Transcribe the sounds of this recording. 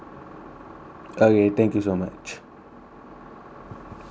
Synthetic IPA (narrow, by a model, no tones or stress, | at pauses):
aɣet̪ẽŋkis̬omḛ̃ʔt͡ʃḁ